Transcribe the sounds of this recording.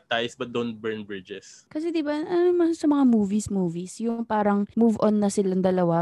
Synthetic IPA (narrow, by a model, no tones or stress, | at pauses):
t̪ajsbɐt̪̚d̪on̚bɛɹnbɹɪd͡ʒɛskɐs̬ɛd̪ɪbaʔɐnomɐsɐmɐŋamuːvismuːvisjʊŋpaːɾɐŋmuvʔonːɐsɪlɐŋd̪ɐlɐwa